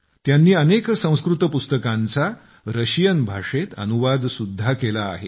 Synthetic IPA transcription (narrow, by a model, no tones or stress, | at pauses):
t̪janːiːəneksə̃w̃skɾut̪əpust̪əkãnt͡sa | ɾəɕijənbʱaʂet̪ə̰nuʋad̪sud̪ʱːakela̰ːɦḛ